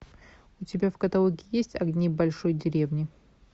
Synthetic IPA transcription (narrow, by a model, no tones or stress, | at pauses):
ʊtʲɪbʲafkɐt̪ɐlˠukʲɪjesʲtʲɐ̰ɡnʲibɐlʲʂojdʲɪɾʲevnʲɪ